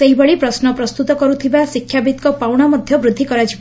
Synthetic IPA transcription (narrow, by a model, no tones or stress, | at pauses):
eɦibɔɭipɾɔsnɔpɾɔst̪ut̪ɔkɔɾut̪ʰibasikʰjabit̪̚kɔpawɽ̃amɔd̪ʱjɔbɾud̪ʱːikɔɾad͡ʒib